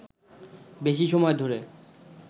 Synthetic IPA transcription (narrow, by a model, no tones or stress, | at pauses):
beʃiʃɔmɔed̪ʱoɾe